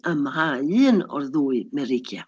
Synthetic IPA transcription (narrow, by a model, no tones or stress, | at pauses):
əmahaɨːnɔ̰rðuːɨmɛɾɪɡja̰